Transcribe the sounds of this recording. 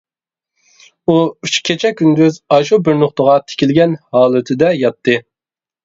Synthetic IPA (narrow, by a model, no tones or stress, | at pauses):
uyt͡ʃkʲʰet͡ʃʰɛkʲʰːynd̪yzɑʃubyɾnʊχt̪əʁɑt̪ʰɪ̥kʲʰilɡʲɛnhɑːlˠɨt̪ʰɪd̪ɛjɑt̪ʰːɨ